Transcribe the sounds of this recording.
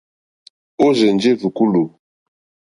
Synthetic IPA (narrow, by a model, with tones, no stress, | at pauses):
o˦ze˨nd͡ʒe˦vu˨ku˦lu˨